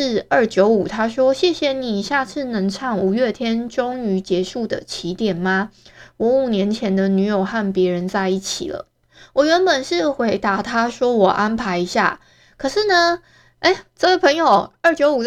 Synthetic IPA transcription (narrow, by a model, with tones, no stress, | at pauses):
ɻ̩˥˧ə˥˩t͡ɕjo˧˥ʊu˨˩t̪ʰa˥ʂwɔ˦˥ɕjɛ˥˩ɕjɛ˧˩ni˨˩ɕja˥˧t͡sʰɹ̩˥˩nə˧˥ŋʈ͡ʂʰɑ˥˩ŋu˨˩ɥɛ˥˩t̪ʰjɛ˥nʈ͡ʂo˥ŋy˧˥t͡ɕjɛ˧˥ʂu˥˩d̪ə̰˩t͡ɕʰi˧˥t̪jɛ˨˩nma˩wɔ˨˧˦u˨˩njɛ˧˦nt͡ɕʰjɛ˧˦nd̪ə˧ny˧˥jo˨˩ʊxa˥˩npjɛ˧˥ɻə˧˦nt͡sa˥˧ɪi˥˩t͡ɕʰḭ˨˩lə̰˦ | wɔ˨˩ɥɛ˧˦npə˨˩nʂɻ̩˥˩xwe˧˥ɪt̪a˧˥t̪ʰa˥ʂwɔ˥wɔ˨˩ʔa˦npʰa˧˥ɪi˧˥ɕja̰˥˩ | kʰɤ˨˩ʂɻ̩˥˩nə˧ | e˥˩ɪt͡sɤ˥˧we˥˩ɪpʰɤ˧˥ŋjo˨˩ʊə˥˩t͡ɕjo˧˥ʊu˨˩